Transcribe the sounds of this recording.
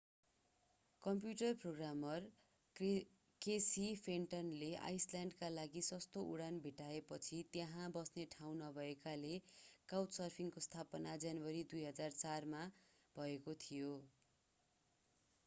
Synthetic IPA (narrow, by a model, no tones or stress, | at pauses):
kʌmpjuʈʌrproɡramʌr | kesipʰenʈʌnleʔa̰jslaɳɖkalaɡisʌst̪oʔuɽanbʱiʈaepʌt͡sʰit̪jãɦãbʌsneʈʰaw̃nʌbʱʌekalekawtsʌrpʰiŋkost̪ʰapʌnad͡zanwʌɾid̪ujɦʌd͡zart͡sarma | b̥ʱʌekot̪ʰijo